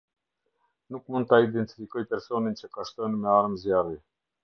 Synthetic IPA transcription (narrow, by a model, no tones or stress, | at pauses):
nukmund̪̚t̪aid̪ɛnt̪i̥fikɔjpɛɾsɔnint͡ɕɛkaʃt̪ɔnmɛaɾmzjari